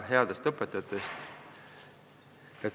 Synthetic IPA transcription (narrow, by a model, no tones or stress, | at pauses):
ɦeɑd̪̥est̪ɤpːˑet̪ːˑɑt̪ːˑest̪ | jɑ